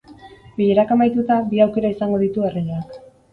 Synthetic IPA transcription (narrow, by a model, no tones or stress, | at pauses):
biʎeɾakamajt̪ut̪abiawke̞ɾaisaŋɡo̞ðit̪uereʎoak